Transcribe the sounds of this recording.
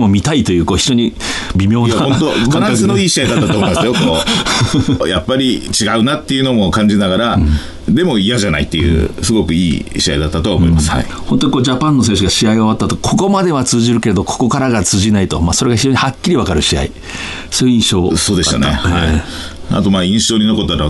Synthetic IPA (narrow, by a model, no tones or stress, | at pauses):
mo̞mʲit̪ait̪o̞jɯ̟ːko̞ːçiʑo̞ɲ̟i | bʲimʲjo̞ːnaaõt̪oasɨnoiːɕiaid̪at̪at̪omoimasɨjokoː | japːaɾʲit͡ɕiɡaɯ̟nat̪ːe̞iɯ̟no̞mo̞kãɲ̟d͡ʑinaɣaɾa | d̪e̞mo̞ijaʑana̰it̪ːejɯ̰sɨɡo̞kɯ̟ḭːɕia̰id̪at̪ːat̪o̞amo̞̰imasɨ̥a̰ihõ̞nt̪oɲiko̞ːd͡ʑapãnːo̞s̬ẽ̞ɰɕɨɡaɕiaioβat̪ːat̪o̞kʰo̞ko̞mad̪e̞βat͡sɨːʑiɾɯ̟ke̞ɾe̞d̪o̞kʰo̥ko̞kaɾaɡat͡sɨːʑinait̪o̞maːso̞ɾe̞ɡaçiʑo̞ːɲihakʲːiɾʲiβakaɾɯ̟ɕia̰i | so̞ːjɯĩɰ̃ɕo̞ːso̞ːd̪e̞ɕt̪a̰nḛha̰ | a̰t̪o̞maːĩɰ̃ɕo̞ːɲ̟ino̞ko̞t̪ːaɾa